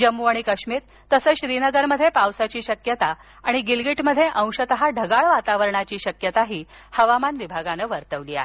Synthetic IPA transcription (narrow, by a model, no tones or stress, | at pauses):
d͡ʑəmːuaɽ̃ikəɕmiːɾ | t̪əsəːɕɾinəɡəɾməd̪ʱːjepawsat͡ɕiːɕəkjət̪a | aɽ̃iɡilɡiʈməd̪ʱːjeʔə̃w̃ɕət̪əɦaɖʱəɡaɭʋat̪aʋəɾɳat͡ɕiːɕəkjət̪aɦiː | həʋamanʋibʱaɡanəːʋəɾt̪əʋlia̰e